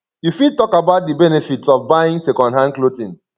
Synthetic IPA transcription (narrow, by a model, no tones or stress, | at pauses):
jufid̚tɔkabaʊt̚dibɛnefitsɔfbaĩŋsɛkɔ̃ndɦãnklotĩn